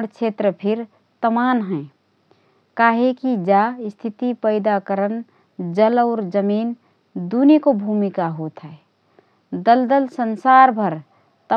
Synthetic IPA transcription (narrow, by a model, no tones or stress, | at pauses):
ɽkt͡ʃʰeːt̪ɾəpʰɪɾ | t̪əmaːnɦɛ̃ | kaːɦekid͡ʒast̪ʰit̪ipəɪd̪akəɾən | d͡ʒəlɔʊɾd͡ʒəmiːn | d̪unikobʱumikaɦoːt̪ɦɛː | d̪əld̪əlsənsaːɾbʱəɾ | t̪ə